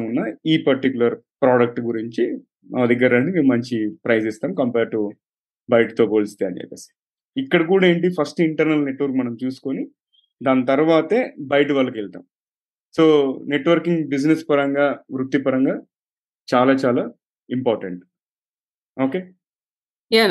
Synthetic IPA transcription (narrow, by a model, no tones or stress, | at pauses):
unːɐiːpɐɾʈikjulɐɾpɾaːɖɐk̚ʈɡuɾiɲt͡ʃi | ɐ̰ɐd̪iɡɐɾɐɳɖimiːmɐɲt͡ʃipɾɐjsist̪aːmkɐmpeːɾʈu | bɐjʈt̪oːpoːlist̪eɐ̰nt͡ʃɛ̰ːpḛːsɐ | ikːɐɽɐk̬uːɽae̞ːɳʈipʰɐsʈiɳʈɐɾnɐlne̞ʈːʋɐɾkmɐnɐmt͡ʃuːsu̥koni | d̪aːnt̪ɐɾʋaːt̪eːbɐjʈ̬ʋɐlːɐkelt̪a̰ːm | soːne̞ʈʋɐɾkiŋɡbid͡ʒnespɐɾɐŋɡaːʋɾut̪ːipɐɾɐŋɡaː | t͡ʃaːlaːt͡ʃaːlaː | impaːɾʈeɳʈ | oːke̞ː | ja